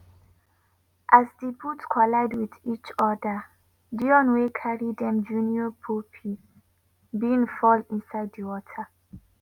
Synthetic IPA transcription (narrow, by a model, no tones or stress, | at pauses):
ʔazdebutkʰɔlaɪdwiðit͡ʃɔdə | diɔ̃nwekʰaɹidɛ̃md͡ʒuniɔpʰupʰi | biĩŋfɔlĩnsaɪddiwɔtʰə